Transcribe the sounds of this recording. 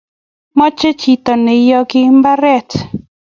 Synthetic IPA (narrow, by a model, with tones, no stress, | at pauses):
mɔ˦t͡ʃe˦t͡ʃi˨t̪ɔ˨nɪ˨jɔ˦ɡɪ˦mba˦ɾɛ˦t